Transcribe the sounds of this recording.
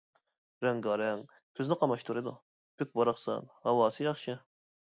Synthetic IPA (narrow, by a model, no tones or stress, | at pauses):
ɾɛŋɡɑɾɛŋ | kʰʲøznɪqʰɑmɑʃt̪ʰuɾɨd̪u | b̥yk̚ʲbɑɾɑχsɑ̰nhɑwɑːsɨjɑχʃɪ